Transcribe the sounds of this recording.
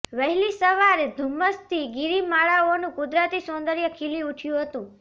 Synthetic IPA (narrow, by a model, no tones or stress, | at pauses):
ʋəɦɛlisəʋaɾed̪ʱuməst̪ʰiɡiɾimaɭaonũkʊd̪ɾat̪isõnd̪əɾjəkʰiliuʈʰjũɦət̪ũ